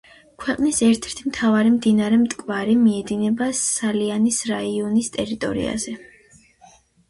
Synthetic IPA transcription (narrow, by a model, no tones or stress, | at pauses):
kʰwɛqʼnisɛɾt̪ʰɛ̥ɾt̪ʰimt̪ʰavaɾimd̪inaɾɛmt̪ʼkʼvaɾimiɛd̪inɛbasalianisɾaiɔnist̪ʼɛɾit̪ʼɔ̰ɾḭa̰zɛ